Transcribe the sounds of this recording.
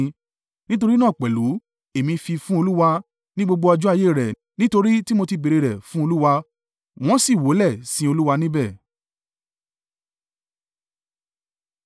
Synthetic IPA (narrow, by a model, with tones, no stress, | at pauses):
nĩ˦t̬o˧ɾi˦nãː˦˨k͡pɛ˨lu˨˦ | e˨mĩ˧fi˧fũ˦o˧lu˦wa˧ | nĩ˦ɡ͡bo˧ɡ͡bo˧a˧d͡ʒu˦a˦˧je˦˨ɾɛ˨ | nĩ˦to˧ɾi˦ti˦mo˧ti˧be˧ɾe˧ɾɛ˨fũ˦o˧lu˦wa˧ | w̃ɔ̃˦si˦˨wo˨˦lɛ˦˨sĩ˨˦o˧lu˦wa˧nĩ˦bɛ˦˨